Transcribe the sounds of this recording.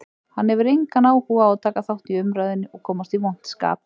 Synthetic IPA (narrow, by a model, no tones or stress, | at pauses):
hanhɛvʏɾejŋkanaːwhuːɣaɔðt̪ʰaːkaθawht̪iʏmɾajðɪnːɪʔɔɣkʰɔːmast̪ivown̥t̪ska̰ːp